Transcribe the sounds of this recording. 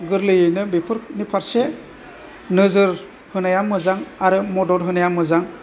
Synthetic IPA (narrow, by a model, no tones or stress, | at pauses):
ɡɯɾlɯjɯjnɯbipʰɯɾnipʰaɾse | nɯzɯɾ | hɯnajamːɯzaŋaɾɯmɔdɔɾɦɯnajamːɯzaŋ